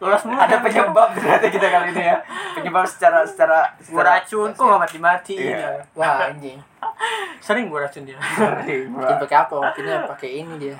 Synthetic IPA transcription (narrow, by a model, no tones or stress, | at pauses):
lolasmuadapəɲəbap̚dəɾat̪akit̪akalinijapəɲəbap̚sə̥t͡ʃaɾasə̥t͡ʃaɾasəɡaɾːt͡ʃʊnt̪umamat̪imat̪iwai | səɾɪŋɡuaɾat͡ʃʊnɲa | ɪbakeapawat̪inapakɛinidia